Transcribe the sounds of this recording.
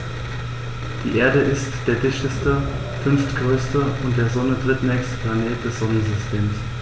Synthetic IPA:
d̥ḭːʔeːɐdəʔɪstd̥eːɐdɪçtəstə | fʏnftɡ̥ʁøːstəʊnt̚d̥eːɐzɔnədʁɪtnɛːkstə̥pʰl̥aneːɐt̚d̥ɛsz̥ɔnənzʏstʰeːms

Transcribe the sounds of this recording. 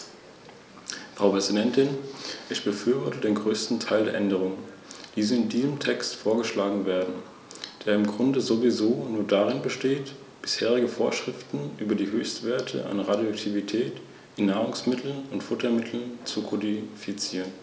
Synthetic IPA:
fʁ̥aʊpʁ̥ɛzidɛntɪnʔɪçb̥əfyːɐvɔɐtədeːnɡʁøːstn̩tʰaɪldeːɐʔɛndəʁ̞ʊŋən | d̥iːzəɪndiːzəmtʰɛkstfoːɐɡəʃlaːɡŋ̩veːɐdn̩ | d̥eːɐɪmɡʁʊndəzovizoːnuːɐdaʁɪnbəʃteːt | b̥ɪsheːʁɪɡəfoːɐʃʁ̥ɪftn̩ʔyːbɐdiːɦøːçstv̥eːɐtʰə̰ʔa̰nʁadjoaktʰivitʰɛːt | ʔɪnːaːʁ̞ʊŋsmɪtʰl̩ʊntfʊtɐmɪtʰl̩nt͡sukʰɔdifit͡siːʁən

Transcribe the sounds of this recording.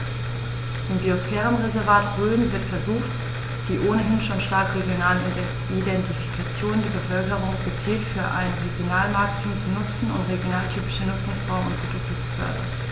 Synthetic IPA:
ʔɪmbiosfɛːʁənʁezɛɐvaːtʁøːn̩vɪɐtfɛɐzuːxt | d̥iːʔoːnəɦɪnʃoːnʃtaɐkʁeɡjonaːlən | idɛntifi̥kʰat͡sjoːndeɛɐbəfœlkəʁ̞ʊŋɡ̥ət͡siːltfyːɐʔa̰ɪnʁeɡjonaːlmaɐk̚tʰuːmt͡sunʊt͡sn̩ʊntʁeɡjonaːltʰyːpɪʃənʊt͡sʊŋsfɔɐməmʊnt̚b̥əd̥ʊk̚tʊsb̥ə̥fœ̰ɐdɐ̰

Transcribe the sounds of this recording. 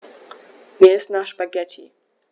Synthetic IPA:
mʲɛsnaʃbaɡɛtʰʲḭ

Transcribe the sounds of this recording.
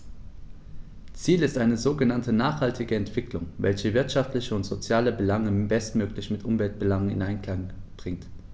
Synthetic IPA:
t͡siːlɪstʔaɪnəzoːɡənantənaːχhaltʰɪɡəɛntv̥ɪklʊŋvɛ̰lçəvɪɐtʃaftlɪçəʊntz̥ot͡sjaːləbəlaŋəbɛstmøːklɪçmɪtʔʊmvɛlt̚b̥əlaŋənɪ̰nʔaɪnkl̥aŋb̥ʁɪŋt

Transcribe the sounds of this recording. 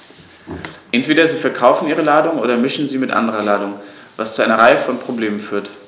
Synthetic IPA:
ʔɛntv̥eːɾɐziːfɛɐkʰaʊfn̩ʔiːʁ̞əlaːdʊŋʔoːdɐmɪʃn̩ziːmɪtʔa̰ndəʁɐlaːdʊŋ | vast͡suʔaɪnɐʁaɪəfɔnpʁ̥obleːmənfyːɐt

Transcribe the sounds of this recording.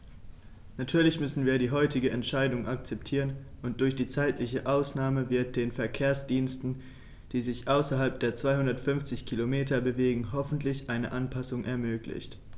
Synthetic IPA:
natʰyːɐlɪçmʏsn̩viːɐɾiːɦɔʏtɪɡəʔɛntʃaɪdʊŋʔak̚t͡sɛptʰiːʁ̞ən | ʔʊnt̚d̥ʊɐçd̥iːt͡saɪtʰlɪçəʔaʊsnaːməvɪɐt̚d̥eːnfɛɐkʰeːɐsd̥iːnstn̩ | d̥iːzɪçʔaʊsɐɦalp̚d̥eːɐt͡sv̥aɪhʊndɐtfʏnft͡sɪçkʰilomeːtʰɐbəveːɡŋ̩ɦɔfn̩tʰlɪçʔaɪnəʔanpʰasʊŋʔɛɐmøːklɪ̰çt

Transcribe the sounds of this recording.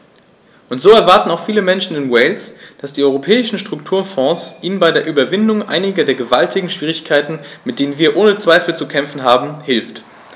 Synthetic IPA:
ʔʊntz̥oːɛɐvaɐtn̩aʊxfiːləmɛnʃn̩ɪnwɛɪlsd̥asd̥iːɔʏʁ̞opʰɛːɪʃn̩ʃtʁ̥ʊktʰuːɐfɔ̃ːsʔiːnənbaɪdeːɐʔyːbɐvɪndʊŋʔa̰ɪnɪɡɐdeːɐɡəvaltʰɪɡŋ̩ʃv̥iːʁ̞ɪçkʰaɪtn̩mɪt̚d̥eːnənviːɐʔoːnət͡sv̥aɪfl̩t͡sukʰɛmfn̩ɦaːbm̩hɪlft

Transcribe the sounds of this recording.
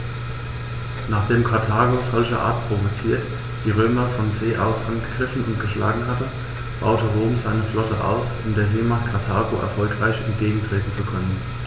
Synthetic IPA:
naːχd̥eːmkʰaɐtʰaːɡozɔlçə̰ʔa̰ɐtpʁ̥ovot͡siːɐt | d̥iːʁ̞øːmɐfɔnzeːʔaʊsʔanɡ̥əɡ̥ʁɪfn̩ʊntɡ̥əʃla̰ːɡŋ̩hatə | b̥a̰ʊtəʁoːmzaɪnəflɔtəʔa̰ʊsʊmdeːɐzeːmakʰaɐtʰaːɡoʔɛ̰ɐfɔlkʁ̥aɪçɛ̰ntɡ̥eːɡŋ̩tʁ̥eːtn̩t͡sukʰœnən

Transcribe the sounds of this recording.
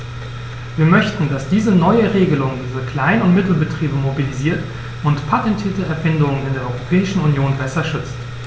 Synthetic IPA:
viːɐmœçtn̩dasd̥iːzənɔʏəʁeːɡəlʊŋdiːzəkl̥aɪnʊntmɪtl̩bətʁ̥iːbəmobiliziːɐt | ʔʊntpʰatɛntʰiːɐtəʔɛɐfɪndʊŋənɪndeːɐɔʏʁopʰɛːɪʃn̩unjoːnbɛsɐʃʏt͡st

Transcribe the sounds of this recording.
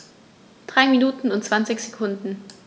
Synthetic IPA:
d̥ʁaɪminuːtn̩ʊntt͡sv̥ant͡sɪçz̥ekʰʊndn̩

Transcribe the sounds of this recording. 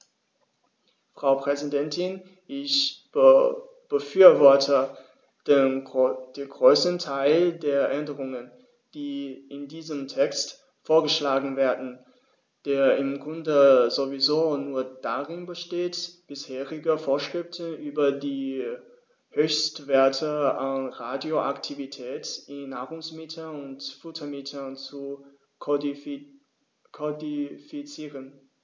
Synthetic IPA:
fʁ̥aʊpʁ̥ɛzidɛntʰɪn | ʔɪç̥ | b̥əfyːɐvɔɐtʰə | d̥eːnɡʁøːstn̩tʰaɪldeːɐʔɛndəʁʊŋən | d̥iːʔɪndiːzəmtʰɛkst | foːɐɡəʃlaːɡŋ̩veːɐdn̩ | d̥eːɐɪmɡʊndəzovizoːnuːɐd̥aʁɪnbəʃteːtb̥ɪsheːʁɪɡɐfoːɐʃʁ̥ɪftʰənʔyːbɐdiː | høːçstv̥eːɐtʰəanʁaːdjoʔa̰ktʰivitʰɛːtʔɪnːaːʁʊŋsmɪtʰəʊntfʊtʰɐmɪtʰɐnt͡su | kʰodifit͡siːʁən

